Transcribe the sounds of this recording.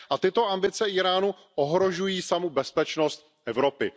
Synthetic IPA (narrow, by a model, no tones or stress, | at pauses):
ʔat̪ɪt̪o̞ambɪt͡sɛiːɾaːnu | ʔoɦɾo̞ʒujiːsamobɛspɛt͡ʃnost̪̚ | ʔɛvɾo̞pɪ